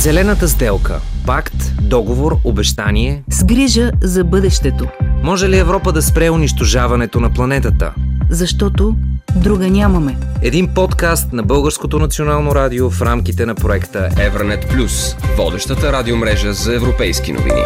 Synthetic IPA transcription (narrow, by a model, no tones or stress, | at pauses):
z̥ɛlɛnət̪əzd̪ɛlˠkə̰fakt̪d̪ɔɡovoɾobɛʃt̪aniɛsɡɾiʒəzɐbɤd̪ɛʃt̪ɛt̪omɔʒɛliɛvɾɔpəd̪ɐspɾɛʊniʃt̪oʒavɐnɛt̪onɐplˠɐnɛt̪ət̪ə̰zɐʃt̪ɔt̪od̪ɾuɡənʲamɐmɛ | ɛd̪inpɔt̪kast̪nɐbɤlˠɡəɾskot̪onɐt̪sionalˠnoɾad̪iofɾamk̟it̪ɛnɐpɾoɛkt̪əʔɛvɾənɛt̪plʲusvɔ̰d̪ɛʃt̪ət̪əɾad̪iomɾɛʒəzɐɛvɾopɛjsk̟ḭno̰vḭnḭ